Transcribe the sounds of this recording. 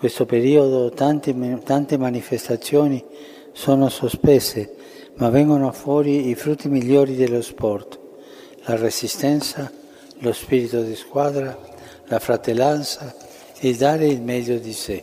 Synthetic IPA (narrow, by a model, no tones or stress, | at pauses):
ŋkwest̪opeɾioðot̪ant̪t̪ant̪emanifest̪at̪sjoːni | soːnosospese | mavɛŋɡonoafwɔːɾiifɾut̪ːimiljoːɾid̪elospɔrt̪ | laresist̪ɛnt̪sa | lospiɾit̪od̪iskwaːðɾa | lafɾat̪elːant̪sa | ed̪aːɾeilmɛd̪jod̪ise